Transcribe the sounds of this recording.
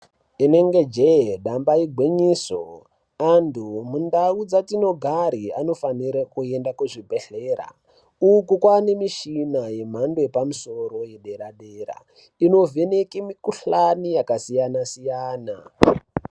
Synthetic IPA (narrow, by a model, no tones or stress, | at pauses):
ine̞ŋɡe̞d͡ʒeɗambaiɡʱwiɲiːso̰ | andʰumundaud͡zatino̞ɡʱaɾiano̞faniɾakue̞ndakuʐibʱe̞ɬeːɾa̰ | ukukwane̞miʃinaje̞m̤andoepamuso̞ɾo̞jeɗe̞ɾaɗeɾa̰ | ino̞vʱe̞ne̞kimikuɬanijakasijanasijaːna